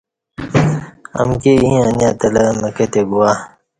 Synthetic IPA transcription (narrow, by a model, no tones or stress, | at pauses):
ɐ̰mkeĩːanjat̪ɐlɐmɐket̪eɡuwaː